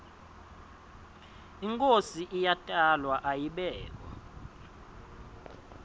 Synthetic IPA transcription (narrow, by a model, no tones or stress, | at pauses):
iŋkʼosiʔijatʼalwaʔajiɓɛːk̬wa̰